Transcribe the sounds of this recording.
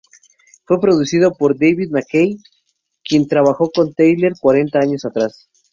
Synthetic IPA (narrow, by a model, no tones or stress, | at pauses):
fwe̞pɾo̞ðusið̞o̞po̞ɾd̪ejβiðmakej | kje̞nt̪ɾaβaxo̞ko̞nt̪ejleɾkwaɾe̞nt̪aaɲo̞sat̪ɾas